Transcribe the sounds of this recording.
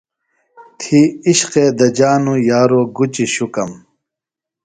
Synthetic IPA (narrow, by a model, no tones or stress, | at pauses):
t̪ʰiiɕqed̪ɐd͡ʑaːnujaːɾoːɡut͡ɕiɕukɐm